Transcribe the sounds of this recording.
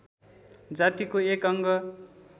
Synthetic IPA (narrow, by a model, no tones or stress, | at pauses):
d͡zat̪ikoekʌŋɡʌ